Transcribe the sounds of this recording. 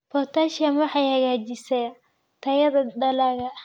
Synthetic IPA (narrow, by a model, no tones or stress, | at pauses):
pɔrt̪ʰaːʃɐmwɑħɑjhɐɣaːt͡ʃɪsɛj | t̪ʰɐjɐðɐd̪ɐlaːɣɐ